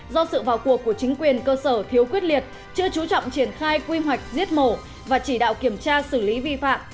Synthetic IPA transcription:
zɔ˧sɨ̰˧˨vaː˨˩wku˨˩əkːu˧˩ət͡ɕï˨˦ŋ̟kwi˨˩ənkəː˧səː˧˩t̪ʰi˨˦əwkwi˦˥ət̚li˨˩ət̚ | t͡ɕɨ˧ət͡ɕu˨˦t͡ɕɔ̰˧˨wŋ͡mt͡ɕi˧˩ənxaː˧jkwi˧ɦwa˨˩jk̟̚zi˦˥ət̚mo˧˩ | vaː˨˩t͡ɕi˧˩ɗa̰ː˧˨wki˧˩əmt͡ɕaː˧sɨ˧˩li˨˦vi˧fa̰ː˧˨m

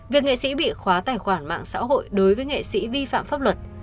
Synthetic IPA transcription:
vi˨˩ək̚ŋḛ˧˨sḭ˧˥ɓḭ˧˨xwaː˨˦t̪aː˨˩jxwaː˧˩nma̰ː˧˨ŋsa̰ː˧˥ɦo̰˧˨jɗo˨˦jvəː˨˦jŋḛ˧˨sḭ˧˥vi˧fa̰ː˧˨mfaː˦˥p̚lwə˨˩t̚

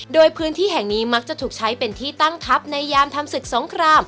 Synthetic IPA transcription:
doː˧jpʰɯː˦˥nt̪ʰiː˥˩ɦɛ˨˩ŋniː˦˥ma˦˥k̚t͡ɕa˨˩ʔt̪ʰuː˨˩k̚t͡ɕʰa˦˥jpe˧nt̪ʰiː˥˩t̪a˥˩ŋt̪ʰa˦˥p̚na˧jːaː˧mt̪ʰa˧msɯ˨˩k̚so˩˦ŋkʰɾaː˧m

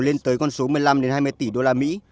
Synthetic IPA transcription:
le˧nt̪əː˨˦jkɔ˧nso˨˦mɨ˨˩əjla˧mɗe˨˦nhaː˧jmɨ˧əjt̪i˧˩ɗo˧laː˧mḭ˧˥

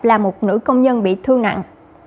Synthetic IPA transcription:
p̚laː˨˩mo˨˩t̚nɨ̰˧˥kə˧wŋ͡mɲə˧nɓḭ˧˨t̪ʰɨ˧əŋna̰˧˨ŋ

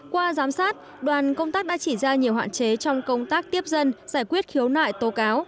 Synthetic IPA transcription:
kwaː˧zaː˨˦msaː˦˥t̚ | ɗwaː˨˩nkə˧wŋ͡mt̪aː˦˥k̚ɗa̰ː˧˥t͡ɕi˧˩zaː˧ɲi˨˩əwɦa̰ː˧˨t͡ɕe˨˦t͡ɕɔ˧wŋ͡mkə˧wŋ͡mt̪aː˦˥k̚t̪i˦˥əp̚zə˧nzaː˧˩jkwi˦˥ət̚xi˨˦əwna̰ː˧˨jt̪o˨˦kaː˨˦w

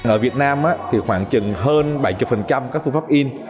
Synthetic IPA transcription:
ŋʔəː˧˩vi˨˩ət̚naː˧mʔaː˨˦˥t̪ʰi˨˩xwaː˧˩ŋt͡ɕɨ˨˩ŋɦəː˧nɓa˧˩jt͡ɕu˨˩k͡p̚fə˨˩nt͡ɕa˧mkaː˦˥k̚fɨ˧faː˦˥p̚ʔi˧n

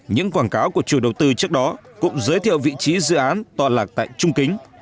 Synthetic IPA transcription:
ɲɨ̰˧˥ŋkwaː˧˩nkaː˨˦wku˧˩ət͡ɕu˧˩ɗə˨˩wt̪ɨ˧t͡ɕɨ˦˥ək̚ɗɔ˨˦kʊ̰˧˥ŋ͡mzəː˨˦jt̪ʰḭ˧˨ə˨wvḭ˧˨t͡ɕi˨˦zɨ̰˧˨ʔaː˨˦nt̪waː˨˩laː˨˩k̚t̪a̰ː˧˨jt͡ɕʊ˧ŋ͡mkï˨˦ŋ̟

